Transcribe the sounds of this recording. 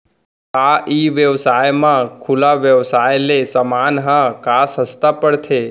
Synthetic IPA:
aʔiʋjəʋsajmãkʰulaʋjəʋsajlesəmanɦãkʰasɦəst̪apəɽt̪ʰe

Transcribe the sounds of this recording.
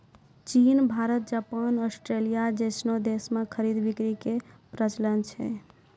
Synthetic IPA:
t͡ʃinbʱaɾət̪̚d͡ʒapanɔsʈɾelijad͡ʒesnod̪esmekʰəɾid̪bikɾikepɾət͡ʃlənt͡ʃʰɛ̰

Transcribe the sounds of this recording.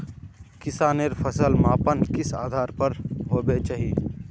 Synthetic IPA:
kɪsaːneɾfʰɐsəlmaːpənkɪsa̰ːd̪ʱaːɾpɐɾɦoːbet͡ʃaɦiː

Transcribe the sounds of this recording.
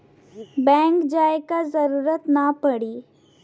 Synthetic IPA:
bɛ̃ːŋkd͡ʒaːekazəɾuːɾət̪napəɽiː

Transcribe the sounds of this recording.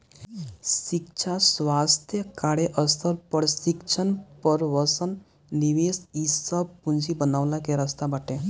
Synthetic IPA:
sikt͡ʃʰaswast̪ʰjəkaɽeʔəsəɾpəɽsikt͡ʃʰənpəɾʋəsənː | iʋesisəbpund͡ʒibənawlakeɾəst̪abaʈe

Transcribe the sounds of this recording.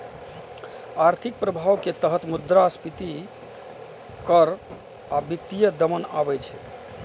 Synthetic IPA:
aɾt̪ʰik̚pɾəbʱawket̪əɦət̪mud̪ɾaspit̪i | kəɾ | abjik̚t̪ijəd̪əmənabɛjt͡ʃʰɛ

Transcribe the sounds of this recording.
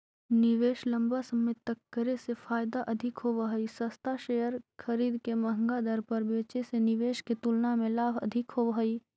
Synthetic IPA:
nɪʋeːʃlə̃mbasəmet̪əkːəɾesefʰaːjd̪aʔɐd̪ʱɪkɦoʋəɦəisəst̪ʰaʃejəɾkʰəɾiːd̪kemɐɦə̃ŋɡad̪əɾpəɾbeːt͡ʃesenɪʋeːʃket̪ulnamẽlaːbɐ̰d̪ʱɪkɦoʋəɦəi

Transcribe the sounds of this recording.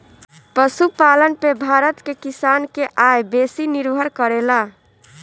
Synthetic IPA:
pəsupalənpebʱaɾət̪kekisankeʔajbesiniɾbʱəɾkəɾela

